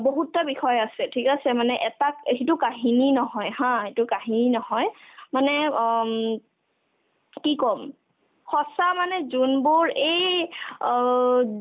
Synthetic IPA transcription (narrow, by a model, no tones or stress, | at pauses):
boɦutːabixɔjasɛtʰikasɛmanɛʔɛtakɦitʊkaɦininɔɦɔjɦãetʊkaɦininɔɦɔjmanɛ | kikɔm | xɔsamanɛzunbʊɹej